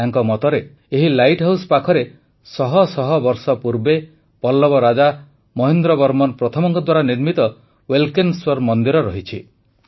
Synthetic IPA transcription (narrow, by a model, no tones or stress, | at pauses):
aŋkɔmɔt̪ɔɾeː | ɦilajʈɦawsɔ̥pakʰɔɾe | sɔɦɔsɔɦɔbɔɾsɔpuɾbe | pɔlːɔbɔɾad͡ʒa | mɔɦind̪ɾɔbɔɾmɔnpɾɔt̪ʰɔmɔŋkɔd̪waɾaniɾmit̪ɔ | welkenswɔɾmɔnd̪iɾɔɾɔɦit͡ʃʰi